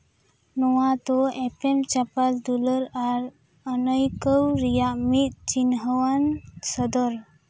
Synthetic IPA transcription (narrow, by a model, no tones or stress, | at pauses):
nɔwat̪ɔɛpɛmt͡ʃapald̪uləɾaɾ | ənəjkəwɾijaʔmit̪̚t͡ʃinɦəwansəd̪ɔɾ